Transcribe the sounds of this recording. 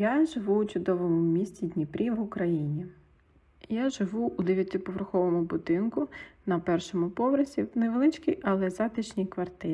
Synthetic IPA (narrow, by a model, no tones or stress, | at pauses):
jaʒɪʋuut͡ʃʊd̪ɔʋɔmʊʊmʲisʲt͡sʲid̪ʲnʲipɾʲiʋʊkɾɐjinʲi | jaʒɪʋuːd̪ɛʋjɐt̪ʲɪpɔʋerxɔʋɔmʊbʊd̪ɪnkʊnɐpɛrʃɔmʊpɔʋɾɐsʲiwnɛʋelˠɪt͡ʃkijʔɐlˠɛzɑt̪ɪt͡ʃnʲijkʋɐrt̪ɪɾʲ